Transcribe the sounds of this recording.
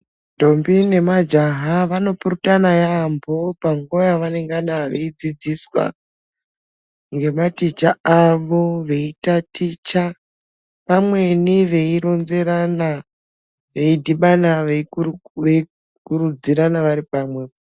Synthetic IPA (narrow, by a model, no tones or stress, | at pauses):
to̞mbine̞mad͡ʒaɦaʋano̞purutanajambo̞paŋɡo̞jaʋane̞ŋɡaɗaʋḛid͡zid͡ziswa̰ | ŋɡe̞matit͡ʃaaʋo̞ʋe̞itatit͡ʃa | ʋamwe̞niʋe̞iɾo̞nze̞ɾana | ʋe̞idʱiɓanaʋee | kurud͡ziɾanaʋaɾipaːmwe̞